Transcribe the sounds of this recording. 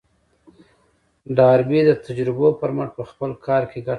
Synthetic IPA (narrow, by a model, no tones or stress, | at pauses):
ɖɑɾbid̪ət̪ad͡ʒɾɪbopəɾməʈpəxpəlkʰɑɾkeɡa